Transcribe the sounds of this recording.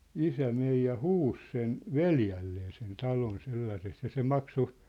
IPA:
isæ mej jɑ huːs sen ʋeljælːeː sen tɑlon selːɑseks jɑ se mɑkso

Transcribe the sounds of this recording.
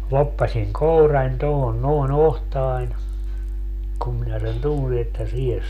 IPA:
lopːɑsiŋ kourɑnʲ tohon noˑen ohtɑːnʲ kum minæ sen tunsi etːæ siːhes

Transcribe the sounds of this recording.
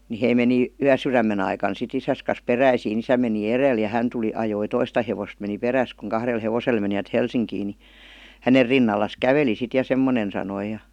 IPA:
ni hei meni yæsyræmːen ɑikɑn sit isæs kɑs peræisiːn isæ meni ereˑl jɑ hæn tuli ɑjoi toistɑ heʋost meni peræs kuŋ kɑhrel heʋosel meniʋæt helsiŋkiː ni hæner rinːɑlːɑs kæʋeli sit jɑ semːonen sɑnoi jɑ

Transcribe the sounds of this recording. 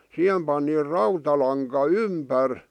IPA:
sihem pɑni rɑutɑlɑŋkɑ ympær

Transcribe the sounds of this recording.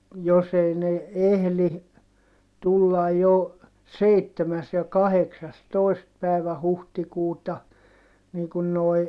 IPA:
jos ei ne ehli tulːɑj jo seitːemæs jɑ kɑheksɑstoˑi̯st pæˑi̯ʋæ huhtikuːtɑ niː kun noi̯

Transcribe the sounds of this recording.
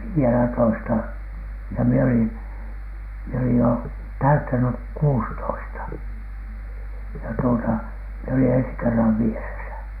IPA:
ʋiːelætoistɑ jɑ mie olin mie olij jo tæytːænyk kuːstoistɑ jɑ tuotɑ mie olin ensi kerːɑʋ ʋieresæ

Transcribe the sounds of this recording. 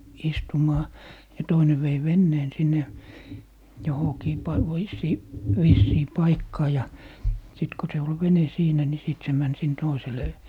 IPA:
istumɑː jɑ toine ʋei ʋenːeːn sinːe johokiː pɑi ʋoisːiː ʋisːiː pɑikːɑː jɑ sit ko se ol ʋene siːnæ ni siˑt se mæn sin toisele

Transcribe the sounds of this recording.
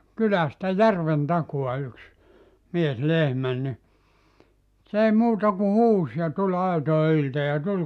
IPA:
kylæstæ jærʋen tɑkuɑ yks mies lehmæn ni s ei muːtɑ ku huːs jɑ tulʲ ɑitoe ylte jɑ tul

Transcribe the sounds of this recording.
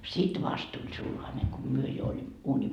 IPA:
sit ʋɑst tulʲ sulhɑne ko myø jo olim uːnʲim

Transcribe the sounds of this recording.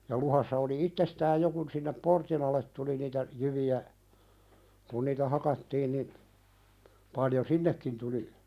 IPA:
jɑ luhɑsːɑ oli itːestæːj jo kun sinːep portin ɑlˑet tuli niːtæ jyʋiæ kun niːtæ hɑkɑtːiːn nin pɑljo sinːekːin tuli

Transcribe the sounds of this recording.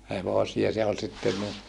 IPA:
heʋosiɑ se ol sitːen ni

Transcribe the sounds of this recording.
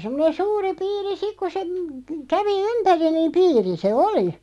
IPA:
semːŏnen suːri piːri sik ku se m kæʋi ympæri niːm piːri se oli

